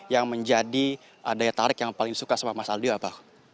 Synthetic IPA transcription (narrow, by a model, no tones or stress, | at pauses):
jaŋməɲd͡ʒadi | ədajat̪aɾɪkjaŋpalɪŋdisukasamamasaladuaːpa